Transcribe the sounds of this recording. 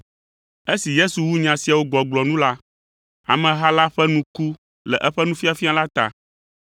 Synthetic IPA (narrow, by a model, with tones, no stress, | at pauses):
e˦si˨je˦su˨wu˦ɲã˨si˨a˨wo˦ɡ͡bɔ˨ɡ͡blɔ˨nũ˦la˦ | a̰˨mɛ̃˨ɦa˦la˦ɸɛ˦nũ˦ku˦ | lɛ˨ʔɛ˦ɸɛ˦nũ˦fi˦a˨fi˦a˨la˦t̪a̰˨